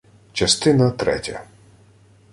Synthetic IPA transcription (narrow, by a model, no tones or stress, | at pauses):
t͡ʃɐst̪ɪnɐt̪ɾɛ̰tʲɐ̰